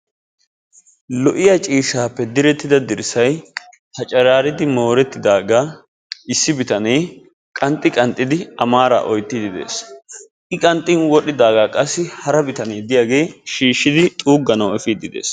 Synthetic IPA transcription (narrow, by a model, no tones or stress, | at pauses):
lɔʔɪjɐt͡ʃʼiːʃːaːpːɛd̪ɪɾɛt̪ːɪd̪ɐd̪ɪɾsɐj | hɐt͡ʃʼɐɾaːɾɪd̪ɪmo̞ːɾɛt̪ːɪd̪aːɡaː | ɪsːɪbɪt̪ɐneː | kʼɐnt̪ʼːɪkʼɐnt̪ʼːɪd̪ɪɐmaːɾa̰ːʔɔjt̪ːɪd̪ɪd̪e̞̰ːs | ʔɪkʼɐnt̪ʼːɪnwɔɗɪd̪aːɡaːkʼɐsːɪhɐɾɐbɪt̪ɐneːd̪ɪjaːɡe̞ːʃiːʃːɪd̪ɪt̪ʼuːɡːɐnɐwɛfiːd̪ɪd̪e̞̰ːs